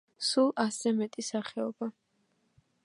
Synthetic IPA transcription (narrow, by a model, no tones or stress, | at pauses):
sulˠasɛmɛt̪ʼisaχɛɔba